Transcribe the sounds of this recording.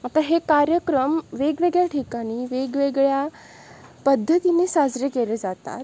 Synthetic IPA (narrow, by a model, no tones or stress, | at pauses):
at̪aɦekaɾjəkɾəmʋeɡʋeɡɭjaʈʰikaɽ̃iːʋeɡʋeɡɭja | pəd̪ʱːət̪inesad͡zɾekeled͡zat̪a̰t̪